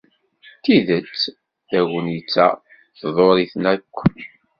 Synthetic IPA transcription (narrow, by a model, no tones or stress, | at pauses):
t̪iðət͡sː | ðæwənjət͡sːæ̰ | θðˤoɾˤiθnækʷː